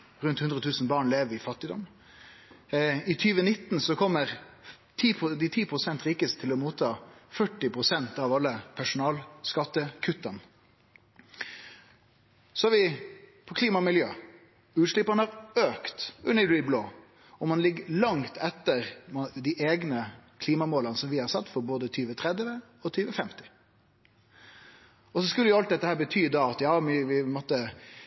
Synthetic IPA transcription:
ɾʉnt̪hʉnd̪ɾət̪ʰʉːsn̩bɑːɳleːʋəɾɪfɑt̪ːɪd̪ɔm | ɪt̪ʰyːʋənɪt̪ːnsɔkʰɔmːəɾ | t̪ʰiːpd̪ɪt̪ʰiːpʰɾʊsɛnt̪ɾɪːkəst̪ʰɪlɔmuːt̪ʰɑːfœʈːɪpʰɾʊsɛnt̪ɑʋɑlːəpʰæʂʊnɑːlskɑt̪ːəkʰʉt̪ːɑn | sɔɑʋɪpʰɔkʰliːmɑmɪljøː | ʉːt̪ʂlɪpːɑnəhɑɾøːkt̪ʉnːəɹiːbloː | ɔmɑnlɪɡːlɑŋt̪ʰɛt̪ːəɾmɑd̪ɪʔeːɡnəkʰliːmɑmoːlɑnəsɔmʋɪhɑɾsɑt̪ːfɔɾboːd̪ət̪ʰyːʋət̪ʰɾɛd̪ʋə | ɔt̪ʰyːʋəfɛmt̪ɪ̥ | ɔsɔskʉlːəjʊɑlt̪d̪ɛt̪ːəhæːɾbət̪ʰyːd̪ɑːɑt̪jɑːɪʋɪmɔt̪ːə

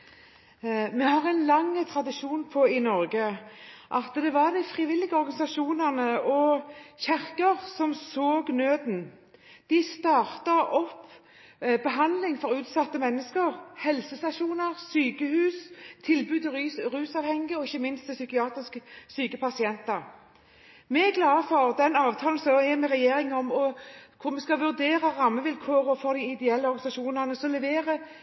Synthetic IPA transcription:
mɛhɑːʁɛɪnlɑŋt̪ʰɾɑd̪ɪʃuːnpʰɔɪnɔɾɡəʔɑt̪d̪ɛʋɑʁd̪æɪfʁɪʋɪlːɪɡəɔɾɡɑnɪsɑʃuːnəʁnəʔɔçæʁkəʁsɔmsoːɡnøːd̪n | d̪̥ɪst̪ɑːʁt̪əɾɔpː | bəɦɑnd̪lɪŋfɔɾʉːt̪sɑt̪ːəmɛnːəskəɾhɛlsəst̪ɑʃuːnəʁsyːkəhʉːst̪ʰɪlbʉːd̪ʁʉːsɑːʋhɛŋːəɔɪçːəmɪnst̪ɛsʏkɪɑːt̪ʁɪsksyːkəpʰɑsɪɛnt̪əɾ | mɛæɡlɑːfɔʁd̪ɛnɑːʋt̪ʰɑːln̩sɔɛmɛʁɛjeːɾɪŋɔmɔkʰʊmɛskɑʋʉʁd̪eːɾəʁɑmːəʋɪlkʰoːɾɔfɔʁd̪ɪɪd̪ɛɛlːəɔɾɡɑnɪsɑʃuːnəʁnəsɔlɛʋeːʁə

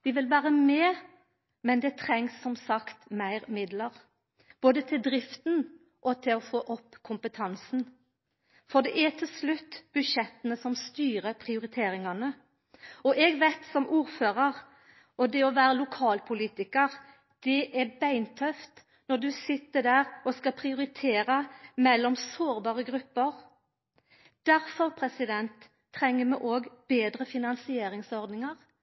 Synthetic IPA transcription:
ʋɪʋɪlʋæːɾəmɛː | mɛnd̪ɛt̪ʰɾɛŋsːɔmsɑkt̪mæɪʁmɪd̪ləɾ | b̥oːd̪ət̪ʰɪld̪ɾɪft̪n | ʔɔt̪ʰɪlɔfoːʔɔpːkʰʊmpət̪ʰɑnsn | fɔʁd̪ɛʔæt̪ʰɪlslʉt̪ːb̥ʉʃɛt̪ːənəsɔmst̪yːɾəpʰʁɪʊɾɪt̪ʰeːɾɪŋɑnə | ɔʔɛɡʋæɪt̪sɔmʔuːɾføːʁɑʁ | ɔd̪ɛɔʋæːɾəlʊkʰɑːlpʰʊliːt̪ɪkəɾ | d̪̥ɛʔɛbæɪnt̪ʰœft̪ | nɔʁd̪ʉsɪt̪ːəd̪æːɾɔskɑpʰɾɪʊɾɪt̪ʰeːɾəmɛlːɔmsoːɾbɑːʁəɡɾʉpːəɾ | d̪̥æɾfɔʁpʰɾɛsɪd̪ɛnt̪ʰː | ɾɛŋːəmɛʔoːɡb̥eːd̪ɾəfɪnɑnsɪeːɾɪŋsɔɾd̪nɪŋəʁ

